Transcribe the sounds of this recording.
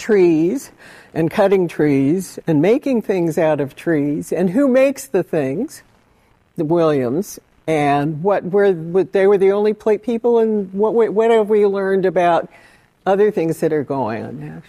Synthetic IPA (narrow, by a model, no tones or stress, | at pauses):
tʰɹ̥iz̥ʔɨ̃nkʰʌɾɪ̃ŋtʰɹ̥izɨ̃nmeɪkɪ̃ŋθɪ̃ŋzaʊɾʌv̥tʰɹ̥izɨ̃nɦumeɪksðɨθɪ̃ŋz̥ | wɪlˠjɨ̃mz̥ | ɨ̃nwʌt̚wə˞wəðeɪwə˞ðiõʊ̃nlipʰl̥eɪt̚pʰipl̩ˠə̃nwʌʔ̚wəwʌɾɨvwilɜ̃˞ndɨbaʊɾ | ʌðə˞θɪ̃ŋzðɨɾə˞ɡoʊɪ̰̃ŋə̰̃nðæt̚